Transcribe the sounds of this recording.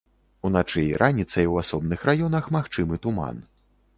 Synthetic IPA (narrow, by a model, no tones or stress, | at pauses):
unat͡ʂɛjɾʔanʲit̪sɐjwasɔbnɨxrajɔnɐxmaxt͡ʂɨmɨt̪uma̰n